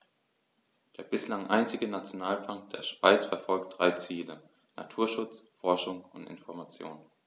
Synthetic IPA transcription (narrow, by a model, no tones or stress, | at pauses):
d̥eːɐbɪslaŋʔa̰ɪnt͡sɪɡənat͡sjonaːlfaŋk̚d̥eːɐʃv̥a̰ɪt͡sfɛɐfɔlk̚t̚d̥ʁaɪt͡siːlə | na̰tʰuːɐʃʊt͡sfɔɐʃʊŋʊntɪ̰nfɔɐmat͡sjo̰ːn